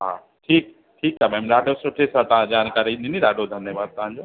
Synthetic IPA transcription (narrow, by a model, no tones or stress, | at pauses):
ɦaː | ʈʰiːk | ʈʰiːkamɛːmɗaːɖosʊʈʰesãt̪ɐãd͡ʑaːnkaːɾinʱiniɗaːɖod̪ʱɐnjəʋaːd̪̚t̪ɐɦãɲd͡ʑoː